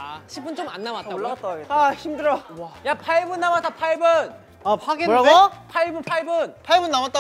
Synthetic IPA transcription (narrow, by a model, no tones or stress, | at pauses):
aɕʰip͈unt͡ɕoma̰nːawat͈aɭːat͈aeaçimdɯɾʌwajapʰaibɯnːawat͈apʰaibɯn | apʰaɡepʰaibɯnpʰaibɯnpʰajbɯnːamwat͈̚a